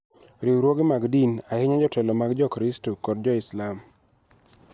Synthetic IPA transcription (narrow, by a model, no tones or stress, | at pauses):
ɾiwɾwoɡɪmaɡdinahɪɲad͡ʒɔtɛlɔmaɡd͡ʒɔkɾɪstokɔd̚d͡ʒɔɪslam